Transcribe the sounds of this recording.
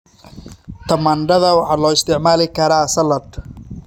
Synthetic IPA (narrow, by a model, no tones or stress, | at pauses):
t̪ʰɐmɐːnɖɐðɐwɑħɑːlɔːɪst̪ʰɪʕmaːlɪkʰɐɾasɐlɐd̪